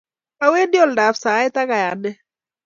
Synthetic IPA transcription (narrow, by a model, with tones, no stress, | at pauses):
ka˦we˦ndɪ˦ɔ˦lda˨fsa˨˦ɪ˦t̪a˦ka˨ja˨ndɛ˦